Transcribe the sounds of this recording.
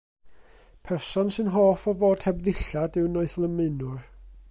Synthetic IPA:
pʰɛrsɔnsɨnɦɔːfɔvoːd̥hɛbðɪɬadɨwnoɨθlˠəmɨnʊr

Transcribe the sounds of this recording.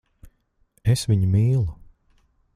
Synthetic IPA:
esviɲumiːlˠu

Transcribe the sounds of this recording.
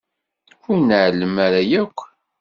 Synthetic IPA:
ʊɾnəʕləmaɾajækʷː

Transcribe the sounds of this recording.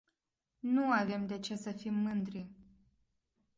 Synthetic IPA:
nuave̞md̪e̞t͡ʃesəfimːɨnd̪ɾi

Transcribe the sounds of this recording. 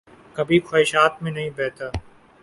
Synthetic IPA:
kəbʱiːkʰoːɪʃaːt̪mẽːnəɦĩːbɛːt̪aː

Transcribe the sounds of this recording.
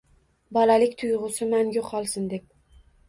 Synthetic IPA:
bɒlalɪkʲt̪ʰʊjʁʊsɪmanjoqʰɒlˠsɪnd̪e̞p̚

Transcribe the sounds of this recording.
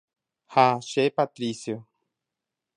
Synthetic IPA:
haʃepat̪ɾisjo

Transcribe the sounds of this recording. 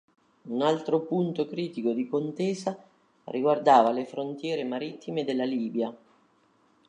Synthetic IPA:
unalt̪ɾopunt̪okɾiːt̪ikod̪ikont̪eːza | rʔiɡward̪aːvalefɾont̪jɛːɾemaɾit̪ʰːimed̪elːaliːbja

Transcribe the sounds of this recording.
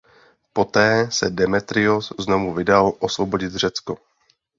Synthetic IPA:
po̞t̪ɛːsɛdɛmɛt̪ɾɪoszno̞vuvɪdalʔo̞svobo̞ɟɪt̪r̝ɛt͡sko

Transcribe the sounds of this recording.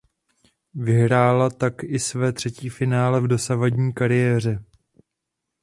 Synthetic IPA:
vɪɦɾaːlat̪akʔɪsvɛːt̪r̝̥ɛciːfɪnaːlɛvdo̞savaɟɲiːkaɾɪjɛːr̝ɛ

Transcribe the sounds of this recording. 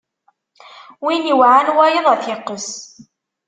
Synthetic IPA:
winiwʕanwæjəðˤæθɪqːəs

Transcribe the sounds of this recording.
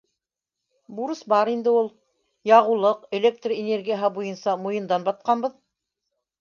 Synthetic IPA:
buɾɤsbɑɾind̪ɘulˠ | jɑʁulˠɤqelʲek̚t̪rienʲerɡʲijəɦɤbujɤnsɑmujɤ̆nd̪ɑnbɑt̪̚qɑnbɤð

